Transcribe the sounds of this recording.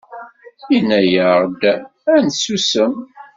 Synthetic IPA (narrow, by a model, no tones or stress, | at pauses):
inːæjəɾd̪ænsusəm